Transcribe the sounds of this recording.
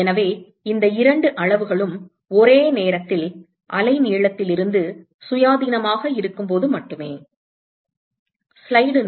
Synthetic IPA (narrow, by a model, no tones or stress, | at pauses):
ɛnɐʋeː | ɪnd̪ɐɪɾɐɳɖɯʔɐɭɐʋɯɣɐɭɯm | ɔɾeːneːɾɐt̪ːɪl | ʔɐlɐɪniːɭɐt̪ːɪlɪɾɯnd̪ɯ | sʊjaːðinɐmaːɣɐɪɾɯkːɯmpoːðɯmɐʈːɯmeː | slɐɪɖɯ